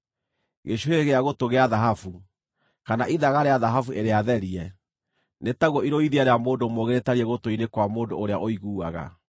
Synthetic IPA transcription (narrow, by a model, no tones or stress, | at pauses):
ɣeɕuheɣeaɣotoɣeaðaɦafu | kanaʔiðaɣaɾeaðaɦafuʔeɾeaðɛɾiɛ | netaɣwɔiɾoiðiaɾeamoːndomoɣeɾetaɾiɛɣotoinekwamoːndooɾeaʔoiɣuːaɣa̰